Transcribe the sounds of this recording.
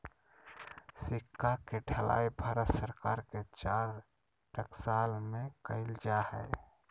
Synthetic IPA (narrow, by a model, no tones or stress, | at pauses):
sikːakeɖʰʱəla̰jbʱaɾət̪səɾkaɾket͡ʃaɾ | ʈəksalmekəɪld͡ʒahɛ̰j